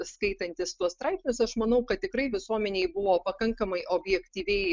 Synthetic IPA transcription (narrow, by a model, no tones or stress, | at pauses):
skɐɪt̪ɐnʲt̪ʲɪst̪uɔst̪ɾɐˑɪpsʲnʲʊsɐʃmɐnɐʊkɐt̪̚ʲtʲɪkɾɐɪʋʲɪsuɔmʲɛnʲeɪbʊʋoːpɐkɐŋkɐmɐɪʔoːbʲjɛkt̪ʲiːʋʲɛɪ